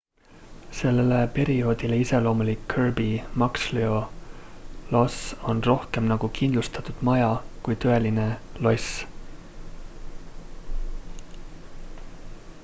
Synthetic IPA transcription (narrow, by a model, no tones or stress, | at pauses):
se̞lːelepe̞ɾio̞ːd̪̥ileise̞lo̞ːmulikʰːørbimɑksleo̞ | lo̞so̞nro̞hke̞mnɑɡ̥ukʰind̪̥lust̪ɑ̥t̪ud̪̥mɑjɑkujt̪ø̞e̞line̞lo̞s